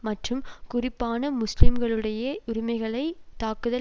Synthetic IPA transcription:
mɐʈrɯmkʊrɪpːaːnɐmʊslɪmɡɐɭɯɽɐjɐʔʊɾɪmɐɪɣɐɭɐɪt̪aːkɯðɐ

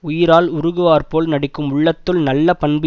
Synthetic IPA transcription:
ʊjɪɾaːlʊɾʊɣɯʋaːɾpoːlnɐɽɪkːɯmʊɭːɐt̪ːɯlnɐlːɐpɐɳbɪ

